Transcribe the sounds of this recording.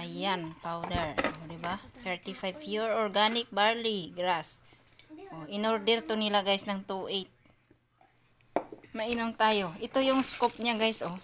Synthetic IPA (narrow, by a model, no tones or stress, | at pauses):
ʔajanpawd̪ɛɹod̪ɪbasɛɹt̪ɪfajvfjuɹoɹɡanɪk̚baɹliɡɾas | ʔʔoʔɪnoɾd̪ɛɾt̪onɪlaɡajsnɐŋt̪uːʔet̪̚ | mɐʔinomt̪aːjo̞ʔɪt̪ojʊŋskop̚ɲaɡajsʔo